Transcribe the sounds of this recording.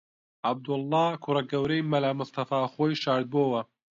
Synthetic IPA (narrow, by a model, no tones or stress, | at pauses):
ʔab̚d̪ʊlːɑːkʰʊrɐɡɐwɾejmɐlaːmʊst̪ɐfaːxoːjʃaːɾd̪̚boːwɐ